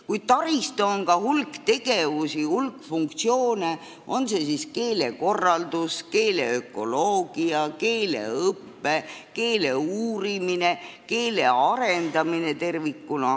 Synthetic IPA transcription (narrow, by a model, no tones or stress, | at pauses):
kujd̪̥̚t̪ɑɾist̪oonkɑhulkt̪e̞ɡ̥e̞vusihulkfuŋk̚t̪sio̞ːne | o̞nse̞siske̞ːle̞ko̞rːɑld̪̥uske̞ːle̞økːˑo̞̰loːɡ̥iɑke̞ːlḛɤpːe̞ke̞ːle̞uːɾimine̞ke̞ːle̞ɑɾe̞nd̪ɑmine̞t̪e̞rvikːunɑ